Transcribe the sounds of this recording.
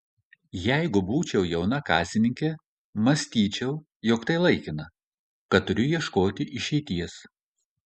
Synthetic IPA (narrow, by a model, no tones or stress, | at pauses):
jæɪɡʊbuːt͡ʃʲɛʊjɛʊnɐkɑ̰ːsʲɪnʲɪŋʲkʲe | mɐsʲt̪ʲiːt͡ʃʲɛʊ | jɔkt̪ɐɪlˠɐɪkʲɪnɐ | kɐt̪̚t̪ːʊɾʲʊjiɛʃkoːt̪ʲɪʔɪʃʲɛɪt̪ʲiɛs